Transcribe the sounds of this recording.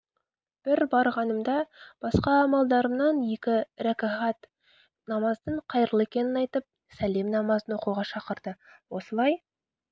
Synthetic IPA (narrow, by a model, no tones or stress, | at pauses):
b̥ɪɾbɑɾʁɑnəmd̪ɑb̥ɑsqɑːmɑlˠd̪ɑɾəmnɑnje̞kʲɪɾækʲaʁɑt̪ | nɑmɑzd̪əɴqʰɑjɾəlˠekʲe̞nɪnɑjt̪əp̚ | sæle̞mnɑmɑzənwo̞quʁɑʃɑqəɾd̪əwo̞səlˠɑj